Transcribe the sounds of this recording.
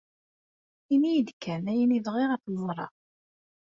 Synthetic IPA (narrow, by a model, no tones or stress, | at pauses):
inijəd̪kʰːænæjəniðʁɪʁæθləmɾˤɑ̰